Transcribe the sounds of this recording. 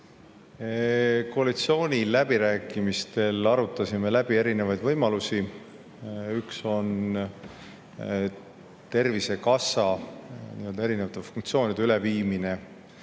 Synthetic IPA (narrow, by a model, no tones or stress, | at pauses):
koɑlit̪sio̞ːnʲilæb̥iɾæːkːˑimist̪e̞lɑɾut̪ːˑɑsime̞læb̥ie̞ɾine̞vɑjd̪vɤjmɑlusi | ykso̞n | t̪e̞rvise̞kɑsɑnḭø̞ld̪ɑe̞ɾinevɑt̪ːˑefuŋkt̪sio̞ːnid̪eyle̞viːmine̞